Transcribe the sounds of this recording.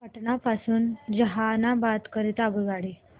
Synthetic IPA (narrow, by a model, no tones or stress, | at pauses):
pəʈɳapasuːnd͡ʑəɦanabat̪kəɾit̪aɡuʋaɽi